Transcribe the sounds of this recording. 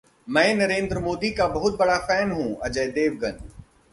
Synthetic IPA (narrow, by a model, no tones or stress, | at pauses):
mɛ̃ːnɐɾẽːnd̪ɾəmoːd̪ikabɐɦʊt̪̚bɐɽafɛːnɦũɐd͡ʒəjd̪eːʋɡɐn